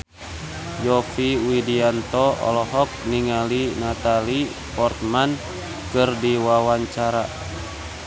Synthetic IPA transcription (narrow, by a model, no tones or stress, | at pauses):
jɔfiwidiant̪ɔɔ̰lɔɦɔk̚niŋalinat̪ali | pɔrt̪man | kɨrdiwawaɲt͡ʃaɾa